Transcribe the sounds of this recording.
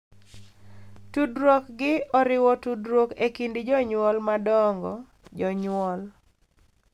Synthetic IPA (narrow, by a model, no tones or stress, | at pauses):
tudɾokɡɪɔɾɪwɔtudɾɔkekindɪd͡ʒɔɲwɔlmadɔŋɡɔ̰ | d͡ʒɔɲwɔl